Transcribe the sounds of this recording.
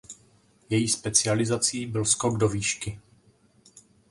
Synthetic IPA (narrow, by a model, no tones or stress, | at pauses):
jɛjiːspɛt͡sɪalɪzat͡siːbɪlskoɡdo̞viːʃkɪ